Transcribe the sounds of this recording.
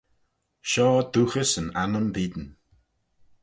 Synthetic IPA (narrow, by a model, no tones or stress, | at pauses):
ʃɔːd̪uːxəsənanəmviːd̪n̩